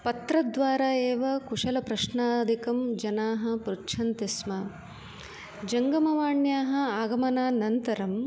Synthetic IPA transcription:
pɐt̪ɾɐd̪ʋaːɾaːeːʋɐkuʂɐlɐpɾɐʃnaːd̪ʱikɐmd͡ʒɐnaːɦɐ̆pɾutʃʰɐnt̪ismɐ | d͡ʒɐŋɡɐmɐʋaːɳjaːɦɐ̆aːɡɐmɐnaːnɐnt̪ɐɾɐm

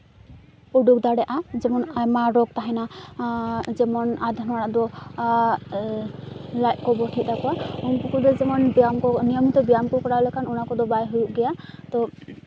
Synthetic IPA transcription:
ɔɖuk̚d̪aɽɛʔad͡ʒɛmɔnamaɾɔɡ̚t̪aɦana | d͡ʒɛmɔnad̪ʱɔnaɽaʔd̪ɔ | lajʔ̚kɔbɔʈʰiʔ̚d̪akɔaunpɔkʰɔd̪ɔd͡ʒɛmɔnbijamkɔnijɔmit̪ɔbijamkɔkɔɽalɛkʰanɔnakɔd̪ɔbajɦujuʔɡɛjat̪ɔ

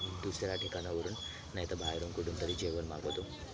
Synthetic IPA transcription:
d̪usjɐɾaːʈʰikanɐʋuɾun | nɐjɐt̪ɐbʱaːjɐɾumkuʈunt̪ɐɾid͡ʒeːɡɐnmaːɡoːd̪u

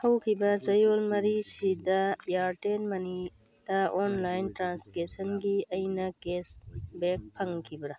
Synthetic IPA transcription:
hɐwkʰibazɐjoːlmɐɾisid̪ajaːɾʈeːnmɐni | t̪aʔoːnlaːjnʈɾãːnskesɐnɡiɐinɐkeːsbeːk̚pʰɐŋkʰibɾɐ

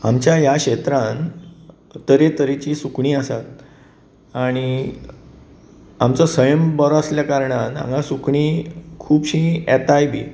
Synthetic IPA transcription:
amt͡ɕjajaɕet̪ɾãn | t̪əɾet̪əɾet͡ɕiːsukɳiːəsat̪ | aɽ̃i | amt͡səsəjəmbəɾasljakaɾɳanã̰ŋɡãsukɳiːkʰuːbɕĩɛt̪ajbʱiː

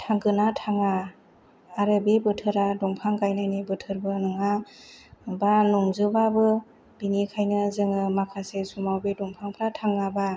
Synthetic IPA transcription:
tʰaŋɡɯnatʰaŋaː | ɾɯbebɯtʰɯɾadɔŋpʰaŋkajnajnibɯtʰɯɾbɯnɯŋa | banɔŋzɯbabɯ | binikʰajnɯzɯŋɯmakʰasesumawbedɔŋpʰaŋpʰɾatʰaŋːaba

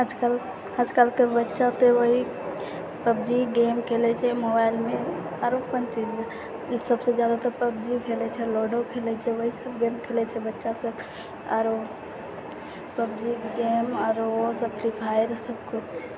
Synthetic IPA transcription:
əd͡ʒʱkal | əd͡ʒʱkalkebətːʃat̪eʋoɦi | pəbd͡ʒiɡemkʰelɛt͡ʃʰɛmobailme | aɾopənt͡ʃid͡ʒ | səbsed͡ʒjad̪at̪ɔpəbd͡ʒikʰelɛt͡ʃʰɛloɖokʰelɛt͡ʃʰɛʋəɦisəbɡemkʰelɛt͡ʃʰɛbətːʃasəb | aɾo | pəbd͡ʒiɡemaɾosəbpʰɾipʰajɾsəbkut͡ʃʰ

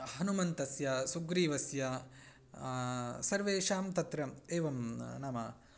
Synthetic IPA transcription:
ɦɐnumɐnt̪ɐsjɐsuɡɾiːʋɐsjɐ | sɐɾʋeːʂaːmt̪ɐt̪ɾɐmeːʋɐmnaːma

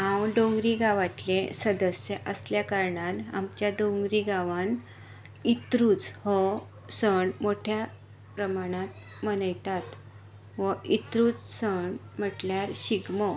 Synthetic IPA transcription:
ɦãwɖõŋɡɾiɡaʋat̪lesəd̪əsjəʔəsljakaɾɳana̰mt͡ɕjaɖõŋɡɾiɡaʋan | it̪ɾuːt͡shɔ | səɳmoʈʰja | pɾəmaɽ̃ãt̪̚ | mənəjt̪at̪ | ʋəit̪ɾuːt͡ssəɳ | m̤əʈljaɾɕiɡmə

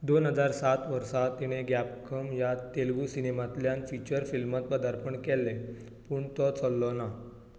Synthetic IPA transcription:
d̪onɦəd͡zaɾsat̪ʋəɾsat̪ːiɽ̃eɡapkʰəmjat̪elʋusinemat̪ljanfit͡ɕəɾfilmat̪̚pəd̪ʱaɾpəɳkɛlːe | puːɳt̪ɔt͡sɔlːɔna

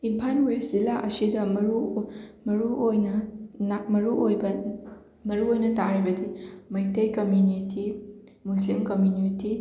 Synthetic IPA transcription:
impʰanwezilaʔɐsidɐmɐɾumɐɾuojnɐnmɐɾuʔojbɐ | mɐɾuojnɐtaɾibɐdimɐjtɐjkɐmjuniti | muslimkɐmjuniti

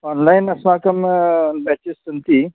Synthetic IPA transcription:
ɔːnlajnɐsmaːkɐmbɛt͡ʃistunt̪i

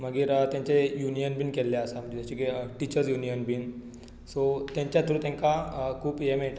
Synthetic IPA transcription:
məɡiːɾət̪jãɲt͡ɕejunijənbiːnkelːeəsam̤ə̃ɳd͡ʑeat͡ɕikeʈit͡ɕəɾd͡zjunijənbiːn | sot̪jãɲt͡ɕjat̪ʰɾũːt̪jɛ̃ŋkakʰuːpjemeɭʈ

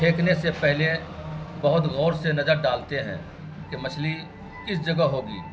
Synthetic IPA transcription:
eːknesepɛɦlebɐɦʊt̪ɣɔːɾsenɐzəɾɖaːlt̪eɦɛ̰̃ː | kemɐt͡ʃʰli | kɪsd͡ʒɐɡəɦoːɡḭː

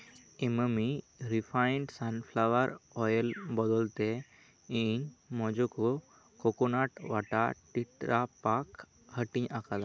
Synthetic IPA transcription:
iməmi | ɾipʰaɪɳɖsanpʰlaʋaɾɔjəlbɔd̪ɔlt̪e | iɲmɔ̃d͡ʒoko | kokonaʈʋaʈaʈiʈɾapak | həʈĩɲʔakʰala

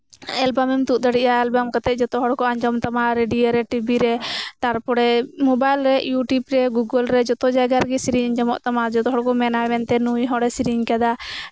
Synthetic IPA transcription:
ɛlbamɛmt̪ut̪̚ˀd̪əɽiʔaɛlbamkat̪ɛʔ̚d͡ʒɔt̪ɔɦɔɽkɔaɲd͡ʒɔmt̪amaɾeɖiɔɾɛʈibiɾɛt̪aɾpɔɽɛmɔbajlɾɛjuʈjubɾɛɡuɡəlɾɛd͡ʒɔt̪ɔd͡ʒajɡaɾɡɛsiɾiɲɲd͡ʒɔmɔʔt̪amad͡ʒɔt̪ɔɦɔɽkɔmɛnamɛnt̪ɛnuiɦɔɽɛsiɾiɲkad̪a

